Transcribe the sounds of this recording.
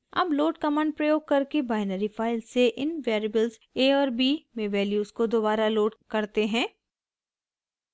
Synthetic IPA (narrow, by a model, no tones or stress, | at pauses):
ɐbloːʈkɐmə̃ɳɖ̚pɾɐjoːɡ̚kɐɾkebaːɪnəɾifaːɪlseʔɪnʋɛːɾɪbəlz | eːɔːɾbiːmẽʋɛːljuːskod̪oːbaːɾaloːɖkɐɾt̪eɦɛ̃ː